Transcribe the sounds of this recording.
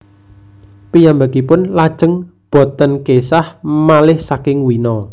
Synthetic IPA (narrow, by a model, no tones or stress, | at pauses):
pijambakipʊnlad̥ʒ̥ə̤ŋb̥ɔ̤t̪ənkesahmalɪhsakɪŋwinɔ